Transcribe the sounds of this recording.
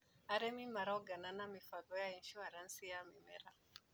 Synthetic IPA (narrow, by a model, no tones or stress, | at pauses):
aɾɛmimaɾaɔɡananamifalɔjainʃuaɾansijamimɛɾa